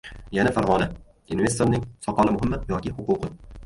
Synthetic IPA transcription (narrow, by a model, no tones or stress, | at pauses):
janafaɾʁɒna | ɪnve̞st̪oɾnɪŋsɒqɒlˠamʊhɪmːajɒkʲɪhʊquqʰɨ